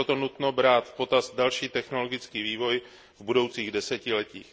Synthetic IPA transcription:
ot̪o̞nut̪no̞bɾaːt̪po̞t̪asdalʃiːt̪ɛxno̞lo̞ɡɪt͡skiːviːvo̞j | vbudowt͡siːɣdɛsɛcɪlɛcḭːx

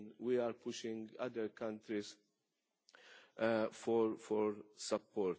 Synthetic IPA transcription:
wiaːɾpʊʃɪ̃ŋɡɐd̪əɾkɐ̃nt̪ɾis | fɔɾfɔɾsɐpːɔːɾt̪

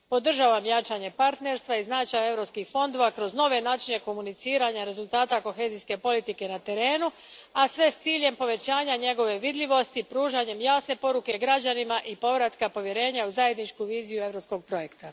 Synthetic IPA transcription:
po̞d̪r̩ʒaːʋamjat͡ʃaɲe̞paɾt̪ne̞ɾst̪ʋaiznat͡ʃaje̞vɾo̞pskixfo̞nd̪o̞ʋakɾo̞zno̞ʋe̞naːt͡ʃine̞ko̞munit̪siːɾaɲaɾe̞zulˠt̪aːt̪ako̞xe̞ziske̞po̞lit̪ike̞nat̪e̞ɾe̞ːnu | asʋe̞st̪siːʎe̞mpo̞ʋe̞t͡ɕaːɲaɲe̞ɡo̞ʋe̞ʋid̪ʎʲiʋo̞st̪ipɾuːʒaɲe̞mjaːsne̞po̞ɾuke̞ɡɾad͡ʑanimaʔipo̞ʋɾat̪kapo̞ʋje̞ɾe̞ːɲauzaje̞d̪nit͡ʃkuʋiːzijue̞ʋɾopsko̞ɡ̚pɾo̞je̞kt̪a

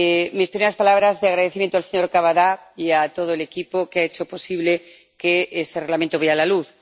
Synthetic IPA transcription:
mispɾimeɾaspalaβɾazðeaɣɾaðeθimjẽt̪oalseɲoɾkaβaðaiat̪o̞ð̞oelekipokeaet͡ʃo̞po̞siβle | keest̪ereɣlamẽnt̪oβealaluθ

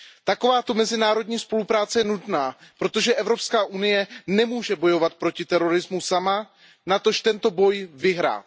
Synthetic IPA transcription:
t̪ako̞vaːt̪o̞mɛzɪnaːɾo̞dɲiːspo̞lupɾaːt͡sɛjɛnut̪naːpɾo̞t̪o̞ʒɛʔɛvɾo̞pskaːʔunɪjɛnɛmuːʒɛbo̞jo̞vat̪̚pɾo̞cɪt̪ɛɾo̞ɾɪzmusama | nat̪o̞ʃt̪ɛnt̪o̞bo̞jvɪɦɾa̰ːt̪

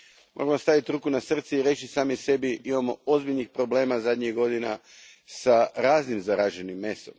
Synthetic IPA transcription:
mo̞̰ɾamo̞st̪aʋit̪ɾuːkunasr̩t̪siiɾe̞ːt͡ʃisaːmise̞biimamoo̞zbiʎnixpɾo̞ble̞ːmazad̪ɲiɣɡo̞d̪ina̰ | saɾaːznimzaɾaʒenimːe̞so̞̰m

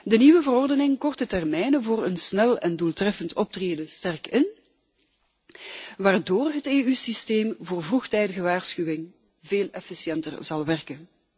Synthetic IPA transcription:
dəniʋəvəɾɔrdənɪŋkɔrtətɛrmɛjnəvoːrənsnɛlˠɛnduːlˠtrɛfəntʰɔp̚treːdəstɛrkɪn | ʋaːrdoːrɦəteːysisteːmvoːrvruxtɛjdəɣəʋaːrsxywɪŋ | veːlɛfisjɛntərzɑlˠʋɛrkən

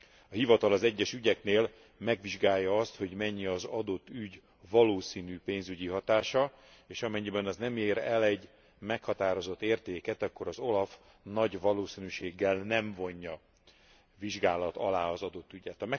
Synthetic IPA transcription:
ɒhivɒt̪ɒlɒzɛɟːɛʃyɟɛkneːl | mɛɡʋiʒɡaːjːɒɒst̪ho̞ɟmɛɲːiɒzɒd̪o̞t̪ːyɟ | vɒloːsiːnyːpeːnzyɟiɦɒt̪aːʃɒ | eːʃɒmɛɲːibɛnɒznɛmeːɾɛlɛɟ | mɛkhɒt̪aːɾo̞zo̞t̪ːeːrt̪eːkɛt̪ɒkːo̞ɾɒzo̞lɒf | nɒɟvɒloːsiːnyʃeːɡːɛlnɛɱvo̞ɲːɒ | viʒɡaːlɒt̪ɒlaːɒzɒd̪o̞t̪ːyɟɛt̪ɒmɛ

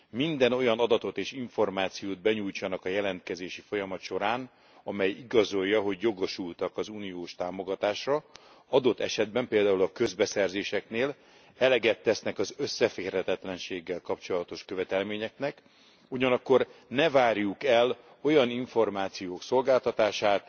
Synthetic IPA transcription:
mind̪ɛno̞jɒnɒd̪ɒt̪o̞t̪eːʃiɱfo̞rmaːt̪sijoːd̪̚bɛɲujt͡ʃɒnɒkɒjɛlɛnt̪kɛzeːʃifo̞jɒmɒt̪ʃo̞ɾaːn | ɒmɛjiɡɒzo̞jːɒɦo̞ɟjo̞ɡo̞ʃult̪ɒkɒzuːnijoːʃt̪aːmo̞ɡɒt̪aːʃrɒ | ɒd̪o̞t̪ːɛʃɛd̪̚bɛmpeːld̪aːulɒkø̞zbɛsɛrzeːʃɛkneːl | ɛlɛɡɛt̪ːɛsnɛkɒzø̞sːɛfeːrhɛt̪ɛt̪lɛnʃeːɡːɛlkɒpt͡ʃo̞lɒt̪o̞ʃkøvɛt̪ɛlmeːɲɛknɛk | uɟɒnɒkːo̞rnɛvaːrjukɛl | o̞jɒniɱfo̞rmaːt̪sijoːkso̞lɡaːlt̪ɒt̪aːʃaːt̪

